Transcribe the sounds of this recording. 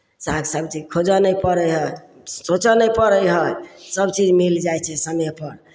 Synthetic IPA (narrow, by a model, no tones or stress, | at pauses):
saɡsəbt͡ʃid͡ʒkʰod͡ʒənəjpəɾəjɦə | sot͡ʃənəjpəɾəjɦəjsəbt͡ʃid͡ʒmild͡ʒajt͡ʃʰɛsəmjepəɾ